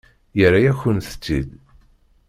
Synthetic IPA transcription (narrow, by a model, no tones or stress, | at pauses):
jəɾːajæçənθə̥t͡sːḭd̪